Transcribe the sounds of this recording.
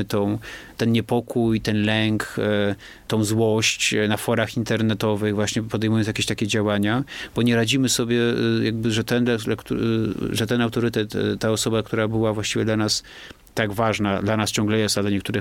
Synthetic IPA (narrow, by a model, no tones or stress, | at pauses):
t̪ɔ̃w̃t̪ɛnɲɛpɔkujt̪ɛnlɛŋk | t̪ɔ̃w̃zwɔɕt͡ɕnafɔɾaxint̪ɛɾnɛt̪ɔvɘɣvwaɕɲɛpɔd̪ɛjmujɔnsʲjakʲeɕt̪akʲɛd͡ʑawaɲab̥ɔɲɛɾad͡ʑimɘsɔbʲjɛjaɡ̚bɘʐɛt̪ɛnalakt̪uʐɛt̪ɛnawt̪ɔɾɘt̪ɛt̪ːaɔsɔbakt̪uɾabɘwavwaɕt͡ɕivʲjɛd̪lanas | t̪aɡvaʐnad̪lanast͡ɕɔ̃ŋɡlɛjɛst̪ad̪laɲɛkt̪uɾɘ